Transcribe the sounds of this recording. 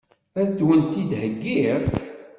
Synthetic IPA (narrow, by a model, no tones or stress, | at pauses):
æd̪wənt̪id̪həɡːiʁ